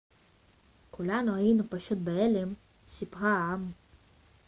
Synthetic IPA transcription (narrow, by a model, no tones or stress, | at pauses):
kulanuajinupaʃut̪̚beelem | sipʁaam